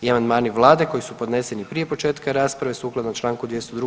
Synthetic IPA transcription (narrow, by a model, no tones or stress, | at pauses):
iamand̪maːniʋlˠaːd̪e̞ko̞jisupo̞d̪nese̞nipɾije̞po̞t͡ʃe̞ːt̪kaɾaːspɾaʋe̞suːklˠad̪not͡ʃlˠaːŋkud̪ʋjest̪od̪ɾu